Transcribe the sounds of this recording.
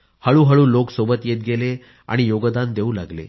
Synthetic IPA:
həɭuːɦəɭuːloksobət̪jet̪̚ɡele | a̰ɽ̃ijoɡd̪and̪euːla̰ɡlḛ

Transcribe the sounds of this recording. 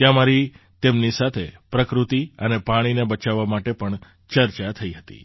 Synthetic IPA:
jãmaɾi | t̪emnisat̪ʰepɾəkɾut̪iənepaɽ̃inebət͡ʃaʋːamaʈepəɳ | t͡ʃəɾt͡ʃat̪ʰəiɦət̪ḭ

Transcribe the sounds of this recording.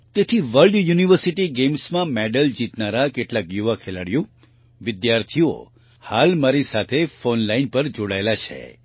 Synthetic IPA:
t̪et̪ʰiʋəlɖjuniʋəɾsiʈiɡemsmãmɛɖəld͡ʒit̪naɾakeʈlakjuʋakʰelaɽjo | ʋɪd̪jaɾt̪ʰio̰ | halmaɾisat̪ʰefonlainpəɾd͡ʒoɽaelat͡ʃʰḛ

